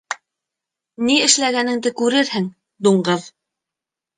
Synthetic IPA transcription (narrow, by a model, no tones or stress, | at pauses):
niɘ̆ʃlæɡænɘ̆ŋd̪ɘkʉɾɘɾhɘŋ | d̪uɴɢɤð